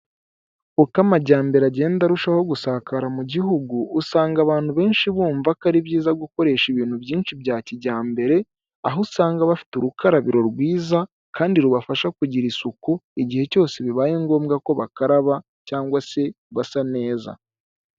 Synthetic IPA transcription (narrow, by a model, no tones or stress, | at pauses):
ukamaɟaːmbeɾaɟe̞ːndaɾuʃaho̞ɡusaːkaɾamuɟiɦuɡuːsaːŋɡaβaːn̥huβe̞ːnʃiβuːɱvakaɾibjiːzaɡuko̞ɾe̞ːʃiβiːnhubjiːnʃibjaːciɟaːmbe̞ɾe̞ | aɦosaːŋɡaβafi̥tuɾukʰaɾaβiɾo̞ɾɡwiːza | kaːndiɾuβafaʃakuɟiɾisukuiɟihe̞co̞ːse̞βiβaːjeːŋɡo̞ːmɡako̞βakaɾaβa | caːŋɡwase̞ | βasane̞ːza̰